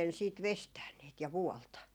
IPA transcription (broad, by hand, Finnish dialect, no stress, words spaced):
siːt ʋestæːn niːt jɑ ʋuɔltɑ